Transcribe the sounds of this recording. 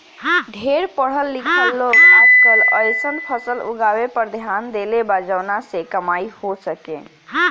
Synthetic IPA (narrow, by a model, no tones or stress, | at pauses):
ɖʱeɾpəɽ̤əlːikʰəlːokatkeləjsənpʰəsəlṵɡawepəɾd̪ʱjand̪elebad͡ʒəwnasekəmaihosəkḛ̃